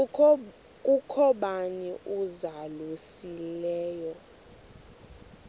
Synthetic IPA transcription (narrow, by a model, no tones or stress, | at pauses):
kʼukʰɔɓaniʔuzalusilɛːjɔ